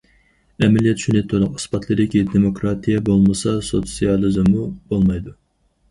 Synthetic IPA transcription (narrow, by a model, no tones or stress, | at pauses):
ɛmɛlijɛt̪ʃynɛt̪ʰːʊɾləqɨspɑt̪ʰlˠɨd̪ɪkʲid̪emokɾɑt̪ʰijɛbolˠmɨsɑsot̪sʲijɑlˠɨzɨmːubolˠmɑjd̪u